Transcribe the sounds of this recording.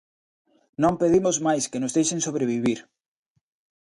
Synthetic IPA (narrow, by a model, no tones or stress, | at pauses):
nõmpeðimozmajskenʊzðejʃensoβɾeβiβ̞iɾ